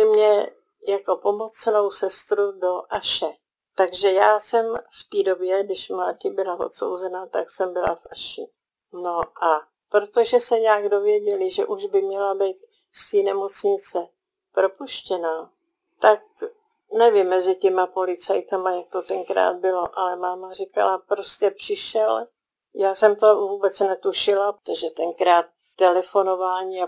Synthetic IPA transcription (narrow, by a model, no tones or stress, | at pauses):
ɪmɲɛ | jako̞po̞mo̞t͡sno̞wsɛst̪ɾudo̞ʔaʃɛ | t̪aɡʒɛjaːsɛmft̪iːdo̞bjɛɡdɪʃmlaːcɪbɪlavo̰t̪so̰wzɛnat̪aksɛmbɪla̰fʔaʃɪ | no̞ʔa | pɾo̞t̪o̞ʒɛsɛɲaːɡdo̞vjɛɟɛlɪʒɛ̰ʔuʒbɪmɲɛlabijt̪̚ | st̪iːnɛmo̞t͡sɲɪt͡sɛ | pɾo̞puʃcɛna | t̪ak̚ | nɛvɪmːɛzɪcɛmapo̞lɪt͡sajt̪amajak̚t̪o̞t̪ɛŋkɾa̰ːd̪̚bɪlo̞ʔalɛmaːmar̝ɪka̰lapɾo̞scɛpr̝̥ɪʃɛl | jaːsɛmt̪o̞vuːbɛt͡snɛt̪uʃɪlaot̪oʒɛt̪ɛŋkɾaːt̪ːɛlɛfo̞no̞vaːɲiːa